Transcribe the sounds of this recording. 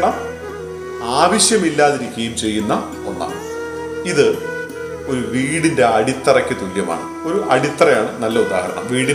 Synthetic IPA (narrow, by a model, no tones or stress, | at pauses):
ɳɐm | aːʋɐɕjɐmilːaːðiɾikʲːejumt͡ɕe̞jːunːɐ | onːa̰ | iðɨ | o̞ɾuʋiːɽinde̞ɐɽit̪ːɐrɐkʲːɨt̪uljɐma̰ːɳɨ | o̞ɾuʔɐɽit̪ːɐrɐjaːɳɨnɐlːɐuba̰ːhɐɾɐɳɐ̰mʋiːɽi